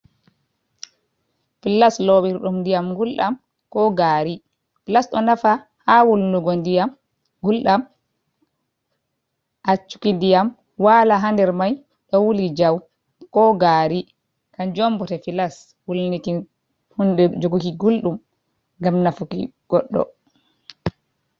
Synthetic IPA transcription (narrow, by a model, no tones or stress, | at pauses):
filːaslɔɓiɾɗumdijamɡulɗam | kɔɡaːɾi | filasɗɔnafa | hawulnuɡɔndijam | ɡulɗam | ʔat͡ʃːu̥kindijam | walaɦandɛɾmaj | ɗɔwulid͡ʒaw | kɔɡaːɾi | kand͡ʒɔmbɔtɛfilas | wulniti | hundɛd͡ʒoɡukiɡulɗum | ɡamnafukḭɡ̥ɔɗːɔ̰